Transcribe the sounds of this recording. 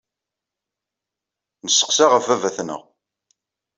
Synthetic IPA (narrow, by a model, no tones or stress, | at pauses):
nəsːə̥qsaʁəfævæθnə̰ʁ